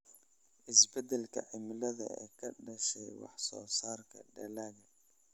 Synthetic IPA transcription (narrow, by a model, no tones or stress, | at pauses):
ʔɪsbɐd̪ɛlkʰɐ̰ʕɪmlɐðɐ̰ɛ̰ːkʰɐɖɐʃɛjwɑ̰ħsɔ̰ːsaːrkʰɐɖɐlaːɣɐ